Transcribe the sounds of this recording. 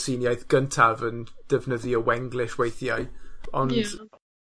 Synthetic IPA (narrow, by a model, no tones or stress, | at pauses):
siːnjajθɡ̥əntʰavənd̥əvnəðiəwɛŋɡlˠɪʃwejθjaɨɔnd